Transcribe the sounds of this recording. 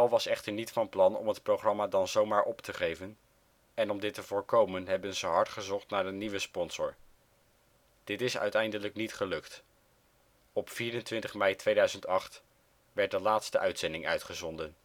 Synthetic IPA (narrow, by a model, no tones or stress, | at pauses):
ɛlˠʋɑsɛχtəɹnitfɑnplɑnɔ̰mət̚prowχrɑmaːdɑnzowmaːɹʔɔptəχejvən | ɛnɔmdɪtəvʊːɹkowmənɦɛbənzəɦɑɹtχəzɔχtnaːɹəniʋəspɔnz̥ʊ̰ɹ | d̥ɪtɪsœ̰ɥtɛjndələknitχəlɵkt | ɔpfiːɾəntʋɪntəχmɛjtʋejdœɥzəntɑχt | ʋɛɹt̚dəlaːtstəʔœɥtsɛndɪŋœ̰ɥtχəzɔndən